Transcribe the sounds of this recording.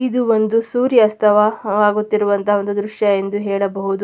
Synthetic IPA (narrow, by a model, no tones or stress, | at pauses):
id̪uond̪usuːɾjɐɐst̪ʰɐʋɐaːɡut̪ːiɾuʋɐnt̪ʰɐɦɐo̞nd̪ud̪ɾuʂjɐend̪uɦɛːɭɐbɐɦud̪u